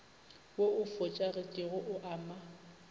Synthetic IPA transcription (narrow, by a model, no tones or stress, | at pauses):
woʊfʊt͡ʃʼarɪkʼɪɣʊʔʊʔaːma